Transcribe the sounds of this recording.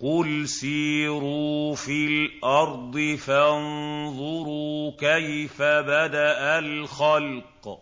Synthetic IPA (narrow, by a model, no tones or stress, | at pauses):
qʊlsiːɾuːfilʔɑɾˤd̪ˤɨfanðˤʊɾuːkajfabad̪aʔalxalq